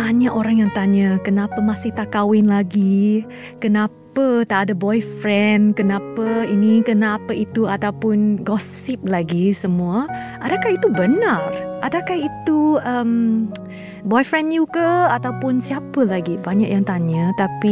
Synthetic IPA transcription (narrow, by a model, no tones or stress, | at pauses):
baɲaʔoɾaŋjaŋt̪aɲəkənapəmasɪht̪akawɪnlaɡi | kənapət̪aʔadabɔjfɾɛnkənãpəinikənapəit̪uat̪awpʊnɡɔsɪp̚laɡisəmuə | ʔadakahit̪ubənarʔadakahit̪uʔəm | bɔjfɾɛnjukəat̪awpʊnsiapəlaɡibaɲa̰ʔjaŋt̪aɲət̪api